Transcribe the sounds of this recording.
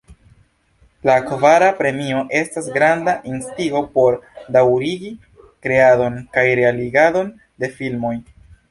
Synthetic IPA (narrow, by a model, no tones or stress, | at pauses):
lakvaɾapɾe̞mio̞ʔe̞stasɡɾandaʔinstiɡo̞po̞ɾdawɾiɡi | kɾe̞ado̞nkajɾealiɡado̞n | de̞filmo̞j